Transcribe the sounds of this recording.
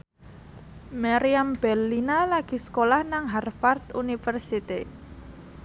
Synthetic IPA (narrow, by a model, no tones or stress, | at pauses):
maɾiamb̥ɛlːinalaɡ̥i̤sə̥kolahnaŋɦarfart̪unifərsit̪e